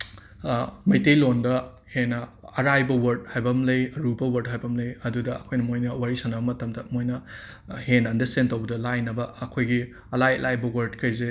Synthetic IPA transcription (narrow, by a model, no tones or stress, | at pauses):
mɐjtejlondɐ | henːɐɐɾajbɐwɐɾd̚hajbɐmlɐjɐɾubɐwɐɾd̚hajbɐmlɐjɐdudɐɐkʰojnɐmojnɐwaɾisɐnɐbɐmɐtɐmdɐmojnɐ | henɐndɐstentɐwbɐdɐlajnɐbɐɐkʰojɡi | ɐlajɐ̰lʔajbɐwɐɾdkɐjze